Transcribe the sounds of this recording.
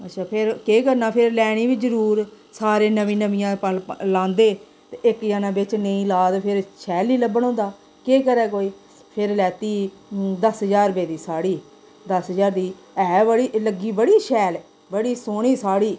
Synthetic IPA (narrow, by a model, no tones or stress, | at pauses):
ətːʃʰaːpʰɪɾkeːkəɾnaːpʰɪɾlɛːɽ̃iːbiːd͡ʒəɾuːɾ | saːɾeːnəʋĩːnəʋĩjãːpəllãːnd̪eː | t̪eʔɪkjaːnãːbɪt͡ʃnəĩːlaːd̪pʰɪɾʃɛːlːiːləbəɳõːnd̪aː | keːkəɾɛːkoːiː | pʰɪɾlɛːt̪iː | d̪əsɦəd͡ʒaːɾbeːd̪iːsaːɽiː | d̪əsɦəd͡ʒaːɾd̪iː | ɛːbəɽiːləɡːiːbəɽiːʃɛːl | bəɽiːsoːɳ̃iːsaːɽiː